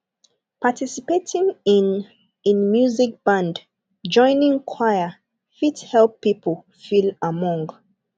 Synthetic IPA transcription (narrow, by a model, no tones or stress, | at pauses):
patʰisipetʰĩŋĩn | ĩnmjuzik̚b̥ãnd | d͡ʒɔ̃ɪ̃nĩŋkʰwaɪə | fithɛlpːipʰəl | filamɔ̃ŋɡ